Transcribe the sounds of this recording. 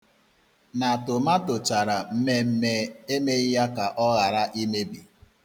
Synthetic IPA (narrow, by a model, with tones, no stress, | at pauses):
na˨tʊ˨ma˦tʊ˨t͡ʃa˨ɾa˨m̩˦me˦m̩˦me˦e˦me˦ja˦ka˨ʔɔ˦ɣa˨ɾa˦ʔi˦me˦bi˨